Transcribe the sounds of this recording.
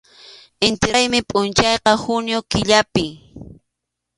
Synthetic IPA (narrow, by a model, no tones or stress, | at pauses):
ɪnt̪ɪajmɪpʼʊnt͡ʃɑjqɑhʊnjokɪʎapɪ